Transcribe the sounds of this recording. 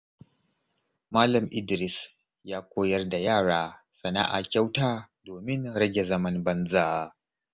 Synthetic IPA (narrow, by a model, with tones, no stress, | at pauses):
maː˦lɐ˨mʔɪ˦dɾɪ˨s | jaː˦kʷoː˦jɐ˦rda˨jaː˦˨ɽaː˦ | sɐ˨na̰˦ʔa̰˨kʲa˦wtaː˦ | doː˨mɪ˦nɽɐ˦ɡʲe˨zɐ˦mɐ˦nbɐ˦nza˦ʔ